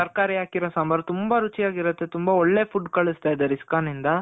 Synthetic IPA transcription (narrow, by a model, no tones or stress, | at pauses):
ɐɾkaːɾijaːkiɾoːsɐmbɐɾt̪umbɐɾut͡ʃijaːɡiɾɐt̪ːe̞t̪umbɐɔɭːe̞pʰuɖkɐɭust̪aːjd̪eɾiskaːnind̪ɐ